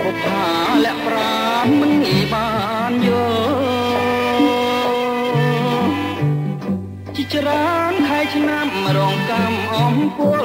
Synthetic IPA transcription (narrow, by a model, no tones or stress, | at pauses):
ʔot̪ʰa | lɛ̆əʔpraː | nmɨɓanjol | t͡ɕiət͡ɕraənt̪ʰaɛt͡ɕʰnamrɔːŋkaːmʔɔmpʊəl